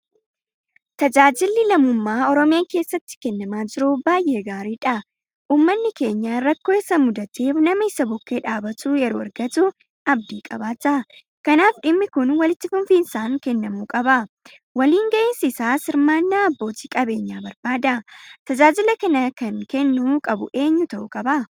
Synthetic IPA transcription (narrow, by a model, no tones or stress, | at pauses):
t̪ɐd͡ʒaːd͡ʒɪlːɪlɐmʊmːaːɔɾɔmɪjaːke̞ːsːɐt̪ːɪ̥kɛnːɐmaːd͡ʒɪɾʊbaːjʔe̞ːɡaːɾiːᶑɐ | ʔuːmːɐnːɪke̞ːɲːaːɾɐkːo̞ːɪsɐmʊd̪ɐt̪eːfnɐmɐɪsɐbʊkːe̞ːᶑaːbɐt̪uːjɛɾoːɐɾɡɐt̪ʊ | ɐbd̪iːkʼɐbaːt̪ːɐ | kɐnaːfᶑɪmːɪkʊnwɐlɪt̪ːɪfʊnfiːnsaːŋkɛnːɐmuːkʼɐbɐ | wɐliːŋɡɐʔɪnssaːsɪɾmaːnːaːɐbːo̞ːt̪i̥ːkʼɐbe̞ːɲːaːbɐɾb̥aːd̪ɐt̪ɐd͡ʒaːd͡ʒɪlɐkɐnɐkɐŋkɛnːuːkʼɐbʊʔe̞ːɲːʊt̪ɐʔʊkʼɐbɐ